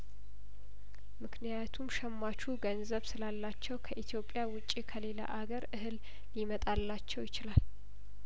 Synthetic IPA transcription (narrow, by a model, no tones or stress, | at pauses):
mɨknijat̪ʰumʃɛmːat͡ʃʰuɡənzəβsɨlalːat͡ʃːɛwkʰəʔit̪ʰjo̞pʼːjawʊt͡ʃʼːikʰəle̞la̰ʔaɡəɾʔɨhɨlː | imət̪ʼalːat͡ʃːɛwjɪt͡ʃɪlal